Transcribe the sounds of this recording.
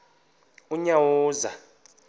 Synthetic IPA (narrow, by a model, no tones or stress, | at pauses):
uɲawɔːza